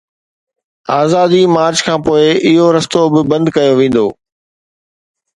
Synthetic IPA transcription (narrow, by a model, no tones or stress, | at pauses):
aːzaːd̪imaːɾd͡ʑkʰãːpoːɪɪɦoɾɐst̪obɪbɐ̃nd̪kɐjoʋẽːn̆d̪o̰ː